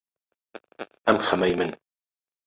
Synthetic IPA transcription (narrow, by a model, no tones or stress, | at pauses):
ʔamxamajmɪn